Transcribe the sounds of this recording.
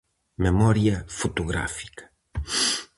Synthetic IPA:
memɔɾjɐfot̪oɣɾa̰fi̥kɐ̥

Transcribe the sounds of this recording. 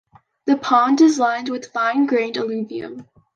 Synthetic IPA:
ðəpʰɑ̃ndɪzãɪ̃nd̚wɨð̥fãɪ̃nɡɹẽɪ̃ndəlʉviɨ̰̃m

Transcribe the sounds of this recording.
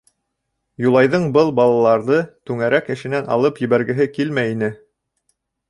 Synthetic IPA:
julˠɑjðɤɴbɤlˠbɑlˠɑlˠɑɾðɤt̪ʉŋæɾækɘ̆ʃɘ̆nænʔɑ̰lˠɤpjɘ̆βæɾɡɘ̆ɦɘkilmæjinɘ

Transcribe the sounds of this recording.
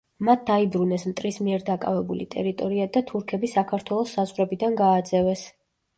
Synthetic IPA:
mat̪̚d̪aibɾunɛsmt̪ʼɾismiɛɾd̪akʼa̰vɛbulit̪ʼɛ̰ɾit̪ʼɔɾiad̪at̪ʰuɾkʰɛbisakʰaɾt̪ʰwɛlˠɔsːazʁɾɛbid̪anɡaːd̪z̥ɛvɛs

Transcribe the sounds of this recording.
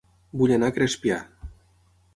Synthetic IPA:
buʎenakɾespja

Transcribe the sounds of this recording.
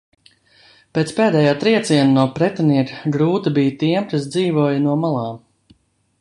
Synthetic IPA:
peːt̪speːd̪ɛːjaːt̪ɾiɛt̪siɛnanuɔpɾɛt̪aniɛkɡɾuːt̪ibijt̪iɛmkasd̪ziːvuɔjɐnuɔmalˠɑː

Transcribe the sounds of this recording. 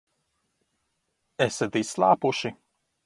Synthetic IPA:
ɛsɛd̪islˠaːpuʃi

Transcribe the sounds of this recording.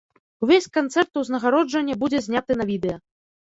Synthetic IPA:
uvʲesʲkant̪sɛrt̪uwznɐɣaɾɔd͡ʐɐnʲːɛbud͡zʲɛzʲnʲat̪ɨnɐvʲid̪ɛjɐ

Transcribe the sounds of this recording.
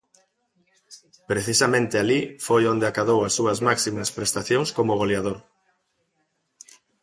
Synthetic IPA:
pɾeθisamẽnt̪ealifojond̪eakaðowɐsːuɐzmaksimɐspɾest̪aθjõŋskomoɣ̞oleaðoɾ

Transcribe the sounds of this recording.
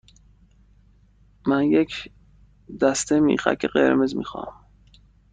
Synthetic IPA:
mænjecʰ | d̪æst̪emḭːχæ̰kʰːeɢḛɾmezmḭːxɒ̰ːm

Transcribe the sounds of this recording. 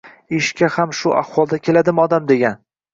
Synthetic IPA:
ɪʃkʲahamʃʊʔahwɒlˠd̪akʲʰe̞lad̪ɪmɒd̪amd̪e̞ɡʲan

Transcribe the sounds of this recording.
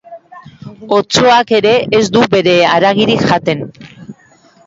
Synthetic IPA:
o̞t͡so̞ake̞ɾe̞ʔezd̪ube̞ɾe̞aɾaɣiɾikʝat̪e̞n

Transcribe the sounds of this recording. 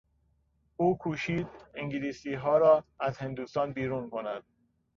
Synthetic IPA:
uːkʰuːʃiːd̪̚iŋɟiliːsiːɦɒːɾɒːæzhend̪uːst̪ɒːnbiːɾuːnkʰo̞næd̪̥̚

